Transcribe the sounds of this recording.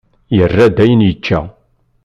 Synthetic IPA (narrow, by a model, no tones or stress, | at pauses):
jərːæd̪æjənjət͡ʃːæ̰